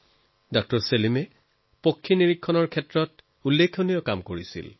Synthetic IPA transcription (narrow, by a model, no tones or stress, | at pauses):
dɔk̚tɔɹselimɛ | pokʰːiniɹikʰːɔnɔɹkʰɛtɹɔt | ulːekʰːonijɔkamkoɹisḭl